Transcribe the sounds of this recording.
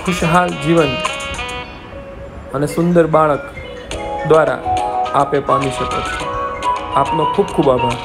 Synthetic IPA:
kʰʊʃɦald͡ʒiʋən | ənesʊ̃nd̪əɾbaɭək | d̪ʋaɾa̰apepamiʃəko̰t͡ʃʰe | apnokʰub̚kʰubabʱa

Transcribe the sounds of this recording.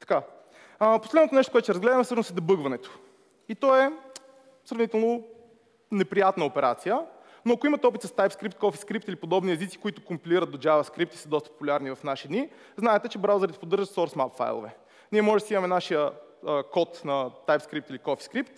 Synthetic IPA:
t̪ɐ̥ka | poslɛd̪not̪onɛʃt̪o̥koɛt̪ʊtɛɾzɡlɛd̪əmɛsəʃnosɛd̪ɐbɤɡvɐnɛt̪o̥ | it̪ɔɛ | sɾɐvnit̪ɛlˠno | nɛpɾijat̪nəopɛɾa̰t̪sijə | noɐkoimət̪ɛɔpit̪əst̪ajpskɾip̚t̪̚kɔfiskɾip̚t̪ilipod̪ɔbniɛzit̪si̥koit̪ʊkompiliɾət̪̚d̪od͡ʒavɐskɾip̚t̪i̥səd̪ɔst̪ə̥po̥pulʲaɾnivɐfnaʃid̪ni | znaɛt̪ɛt͡ʃɛbɾawzɛɾit̪ɛ̥pod̪ɤɾʒət̪sɔɾsmapfa̰jlˠo̰vɛ | niɛmɔʒɛsiimɐmɛnaʃijəəkɔt̪nɐt̪ajpskɾipt̪ilikɔfi̥skɾipt̪

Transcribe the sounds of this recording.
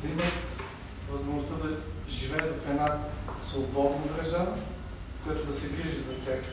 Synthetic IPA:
d̪imɐ | vɐzmoʒnʊst̪əd̪ɐʒivɛvɐfɛd̪nasvobɔd̪nɐbɾɛʒan | kojat̪ʊd̪ɐsɛɡɾiʒəzɐt̪ɾɛk

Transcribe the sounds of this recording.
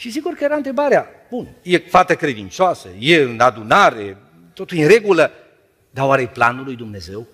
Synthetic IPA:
ʃis̬iɡurkəjeɾaɨnt̪ɾe̞baɾea | b̥unəjefat̪əkɾe̞d̪int͡ʃoasə̰jeɨnad̪unaɾe̞ | t̪o̞t̪uljinre̞ɡulə | d̪aoaɾeplanulːujd̪umne̞ze̞w

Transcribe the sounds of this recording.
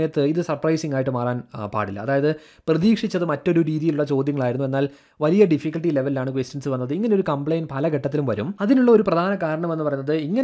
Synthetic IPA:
jɐt̪ːɨiðɨsɐrprɐjsiŋɡaːjʈːɨmaːraːnpa̰ːɽilːɐ̰ːðaːjɐðɨ | prɐðiːkʂit͡ɕːɐðɨmɐtːo̞ɾuɾiːðijiluɭːɐt͡ɕo̞ːd̪jɐŋːɐɭaːjiɾunːue̞nːaːl | ʋɐlijɐɖifikːɐlʈile̞ʋɐlilaːɳɨkʋestjɐnsɨʋɐnːɐðɨiŋːɐneo̞ɾukɐmpɭejnpɐlɐɡeʈːɐt̪ːilumʋɐɾumɐðinuɭːɐoɾuprɐd̪ʱaːnɐkaːɾɐɳɐme̞nːɨpɐrɐjunːɐðɨiŋːɐ

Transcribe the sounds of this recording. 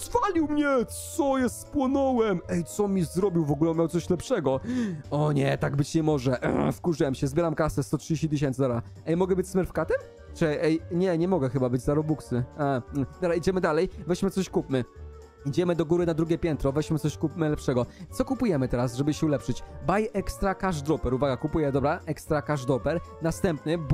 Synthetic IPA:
z̥valʲiwmɲɛt̪ssɔjɛspwɔnɔwɛmɛjt̪sɔmʲizɾɔbʲiwvɔɡulɛmjawt̪sɔɕlɛpʂɛɡɔɔɲɛt̪aɡ̚bɘt͡ɕɲɛmɔʐɛʔfkuʐɘwɛmɕɛzbʲɛɾamkasɛst̪ɔtʂɨd͡ʑeɕt͡ɕit̪ɨɕ̬ɛ̃nsd̪abɾa | ɛjmɔɡɛbɘt͡ɕsmɛɾfkat̪ɛ | t͡ʂɛʔɛjɲɛɲɛmɔɡɛxɘbabɘd͡ʑzaɾɔbuksɘad̪ɔbɾaid͡ʑɛmɘd̪alɛjvɛɕmɘt̪sɔɕkupmɘ | id͡ʑɛmɘd̪ɔɡuɾɘnad̪ɾuɡʲjɛpʲjɛnt̪ɾɔvɛɕmɘt̪sɔɕkupmɘlɛpʂɛɡɔt̪sɔkupujɛmɘt̪ɛɾasʐɛbɘɕɛulɛpʂɘt͡ɕbajɛkst̪ɾakaʐd̪ɾɔpɛɾuvaɡakupujɛd̪ɔbɾaʔɛkst̪ɾakaʐd̪ɾɔpɛɾnast̪ɛmpnɘb

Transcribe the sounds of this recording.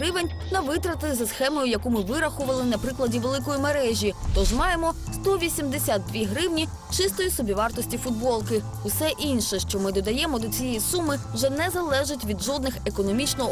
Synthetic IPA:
ɾɪʋenʲ | nɐʋɪt̪ɾɐt̪zɐsxɛmɔjʊjɐkumɪʋɪɾɐxʊʋɐlˠɪnɐpɾɪklˠɐdʲiʋelˠɪkɔjimeɾɛʒʲit̪ɔʒmɑjemɔst̪ɔʋʲisʲimd̪esʲad̪̚d̪ʋʲiɦɾɪwnʲi | t͡ʃɪst̪ɔjisɔbʲiʋɑrt̪ɔsʲtʲifʊd̪̚bɔlˠkɪ | ʊsɛʔinʲʃɛʃt͡ʃɔmɪd̪ɔd̪ɐjɛmɔd̪ɔt͡sʲijɛjisumɪwʒɛnɛzɐlˠɛʒɪtʲʋʲid̪ʒɔd̪̚nɪxekɔnɔmʲit͡ʃnɔɦɔ

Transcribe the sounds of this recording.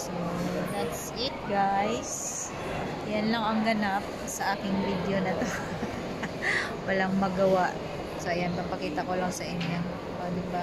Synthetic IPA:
sod̪at̪s | ɪt̪̚ɡajs | jɐnlɐŋɐŋɡɐnap̚sɐʔaːkɪŋvid̪onɐt̪o | wɐlaŋmɐɡɐwaʔ | soʔɪjanpɐmpɐkiːt̪ɐko̞lɐŋsɐʔɪɲjon | od̪ɪbɐ

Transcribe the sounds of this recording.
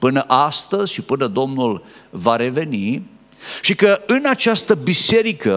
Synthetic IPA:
pɨnəʔast̪əzʲʃipɨnəd̪o̞mnulvaɾe̞ve̞ni | ʃikəɨnat͡ʃast̪əbise̞ɾikə

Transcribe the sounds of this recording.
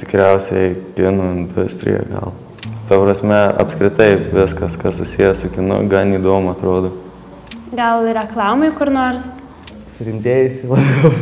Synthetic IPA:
t̪ʲɪ̥kɾʲɛʊsʲɛkʲɪnoːɪnd̪ʊsʲt̪ʲɾʲɪ̰jɛ̰ɡɐ̰lˠ | t̪ɐpɾɐsʲmʲɛɐ̰pskɾʲɪt̪ɐɪʋʲɪskɐskɐssʊsʲijɛsʊkʲɪnʊ̰ɡɐniːd̪oːmʊɐt̪ɾoːd̪oː | ɡɐlˠɾʲɛklˠɑːmoɪkʊɾnoːrs | sʊɾʲɪmʲt̪ʲeːjʊsʲɪlˠɐbʲɛʊ

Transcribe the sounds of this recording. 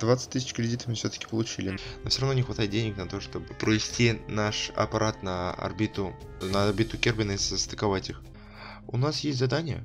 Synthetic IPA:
d̪vat̪sɨ̥t̚ʲt̪ɨsʲɪt͡ʃkɾʲɪdʲit̪ə̥fmɨfsʲot̪ə̥kʲɪ̥pəlˠʊt͡ɕilʲɪnnofʲsʲoɾɐvnonʲɪxvɐt̪ajɪt̪̚dʲenʲɪknɐt̪o̞ʂt̪o̞bɨpɾəvʲɪsʲtʲinaʂɐ̰pɐɾʔat̪nɐɐ̰rbʲit̪ʊ | nərbʲit̪ʊkʲerbʲɪnɨsəst̪ə̥kɐvatʲix | ʊnasjesʲt̪ʲzɐd̪anʲɪjə̰

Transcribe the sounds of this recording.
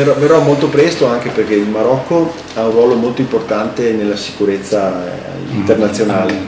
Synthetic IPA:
eɔverːɔmolt̪opɾɛst̪oaŋk̟eperk̟eilmaɾɔkʰːo | aũrːwɔːlomolt̪oimport̪ant̪enelːasi̥kuɾet̪sːa | iḭnt̪ernat̪sːjonaːle

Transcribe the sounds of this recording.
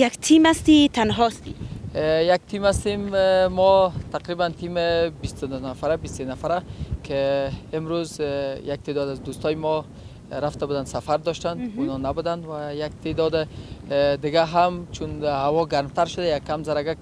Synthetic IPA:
jakt̪ʰimast̪it̪ʰanɦɔst̪i | jak̚t̪ʰimast̪emːɔt̪ʰaqɾibant̪ʰimɪbist̪ʊd̪nafaɾabist̪ːenafaɾakʰeɪmɾuzjak̚t̪ʰed̪ɔd̪azd̪ust̪ɔjɪmɔ | ɾaft̪abud̪ansafaɾd̪ɔʃt̪and̪unɔnabud̪and̪wajak̚t̪ʰed̪ɔd̪ɪ | d̪ɪɡaɦamt͡ʃʰunhawɔɡaɾmt̪aɾʃʊd̪ajakːamzaɾaɡa

